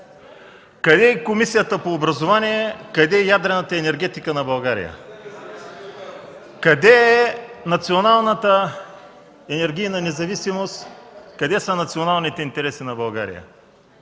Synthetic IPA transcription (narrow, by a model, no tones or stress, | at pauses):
kɐd̪ɛɛkomisijət̪əpoːbɾɐzovaniɛkɐd̪ɛɛjad̪ɾɛnət̪əɛnɛɾɡʲɛt̪ikənɐbɐlˠɡaɾḭjə̰ | kɐd̪ɛɛnɐt̪sionalˠnət̪ə | ɛnɛɾɡʲijnɐnɛzɐvisimost̪kɐd̪ɛsənɐt̪sionalˠnit̪ɛint̪ɛɾɛsinɐbɐlˠɡa̰ɾḭjə̰